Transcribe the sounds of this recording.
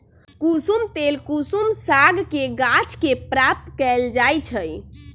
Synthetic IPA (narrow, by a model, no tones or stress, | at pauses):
kusumt̪elkusumsaɡkeɡat͡ʃkepɾap̚t̪kɛld͡ʒajt͡ʃʰəj